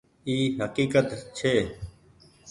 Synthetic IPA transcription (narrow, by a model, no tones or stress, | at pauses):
iːɦəkiːkət̪t͡ʃʰeː